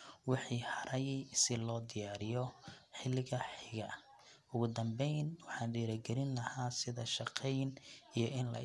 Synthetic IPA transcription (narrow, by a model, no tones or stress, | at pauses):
wɪħiːħɑɾʔɐjsɪlɔːd̪ɪjaːɾɪjɔħɪlːɪɣɐħɪɣɐ | ʊɣʊd̪ɐmbɛjnwɑħɑːnd̪iːɾɐɡɛlɪnlɐhaːsɪðɐʃɑqʰɛjnijɞʔɪnlɐ̰